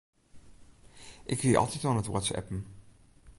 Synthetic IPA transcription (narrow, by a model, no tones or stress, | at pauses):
ʔɪkʋiɑ̰lˠtitʋɔnətwɔ̰tsɛ̰pm̩